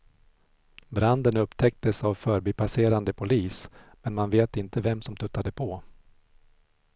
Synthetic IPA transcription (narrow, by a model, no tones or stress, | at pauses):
bɾand̪ənɵpːt̪ʰɛk̚t̪əsavfœːɾbipʰaseːɾand̪əpʰʊliːs | mɛnmanveːt̪ɪnt̪əvɛmsɔmt̪ʰɵt̪ːad̪əpʰɔ